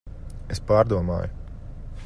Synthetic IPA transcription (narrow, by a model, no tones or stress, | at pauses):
espaːɾd̪uɔma̰ːjʊ